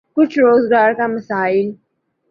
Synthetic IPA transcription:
kʊt͡ʃʰɾoːzɡaːɾkamɐsaːɪl

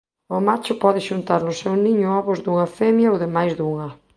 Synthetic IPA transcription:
ʊmat͡ʃʊpɔðɪʃunt̪aɾnʊsewniɲʊɔβʊzd̪uŋɐfɛmjaowðɪmajzðuŋa

